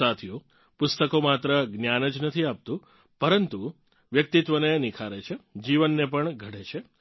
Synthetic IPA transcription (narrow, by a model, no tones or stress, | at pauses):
at̪ʰijo | pʊst̪əkomat̪ɾəɡnjanəd͡ʒnət̪ʰiap̚t̪ũ | pəɾənt̪u | ʋjək̚t̪it̪ʋənenɪkʰaɾet͡ʃʰed͡ʒiʋənːepəɳɡʱəɽet͡ʃʰe